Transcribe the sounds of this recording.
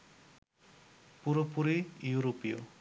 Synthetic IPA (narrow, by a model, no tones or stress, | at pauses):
puɾopuɾejuɾopijo̰